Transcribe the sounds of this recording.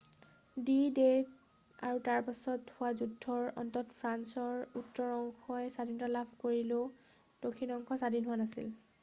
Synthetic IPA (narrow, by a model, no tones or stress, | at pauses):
dide | a̰ɹutaɹpasɔthʊazudʱːɔɹɔ̰ntɔtpʰɹansɔɹutːɔɹɔŋkʰɔjɛsadinɔtalabʱkoɹilo | d̥okʰːinɔŋkʰɔsadinɦʊanasḭl